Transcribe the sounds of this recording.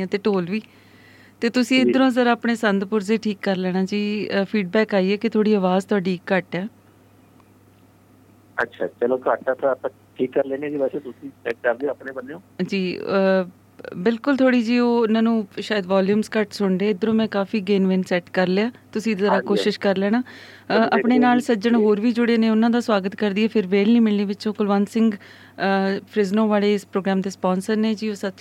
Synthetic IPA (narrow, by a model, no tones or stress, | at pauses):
ãːt̪eːʈoːlʋiː | t̪eːt̪ʊsĩːɪd̪əɾõːzəɾaːpɳeːsənd̪pʊɾzeːʈʰiːkːəɾlɛːɽ̃ãːd͡ʒiːpʰiːɖ̚bɛːkaːiːɛːkɪt̪ʰoːɽiːəʋaːzt̪ʰʊaːɖiːɪkːəʈɛː | ətːʃʰa̰ːt͡ʃəloːkəʈɛt̪ãpː | ʈʰiːkːəɾlɛ̃ːneːd͡ʒiːʋɛːseːt̪ʊsĩːsɛʈ̚kəɾd̪eəpɳeːbəneːõːd͡ʒiː | bɪlkʊlt̪ʰoːɽiːd͡ʒiːoːnãːnũːʃaːjəd̪ʋaːljuːmskəʈsʊɳd̪eːɪd̪əɾõːmɛ̃ːkaːfiːɡeːnʋeːnsɛːʈkəɾleːaːt̪ʊsĩːd̪zəɾaːkoːʃɪʃkəɾlɛːnaː | ʔəpɳeːnaːlsəd͡ʒəɳ̃ɦoːɾʋiːd͡ʒʊɽeːneːʊnãːd̪aːsʋaːɡət̪kəɾd̪iːɛːpʰɪɾʋeːlnĩːmɪlniːʋɪt͡ʃõːkʊlʋaːnsɪ̃ŋɡ | pʰɾɪznõːʋaːleːɪspɾoːɡɾaːmd̪eːspɔːnsəɾneːd͡ʒiːoːsət